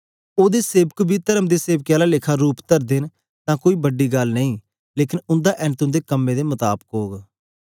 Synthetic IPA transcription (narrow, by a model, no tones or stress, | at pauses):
oːd̪eːseːbəkbʱiːt̪əɾəmd̪eːseːbkjaːlaːlɪkʰaːɾuːpt̪əɾd̪ɪn | t̪ãːkoːiːbəɖːiːɡəlnəĩː | leːkɪnʊ̃nd̪aːʔɛːnt̪ʊ̃nd̪eːkəmːẽːd̪eːmət̪a̰ːbəkɦoːɡ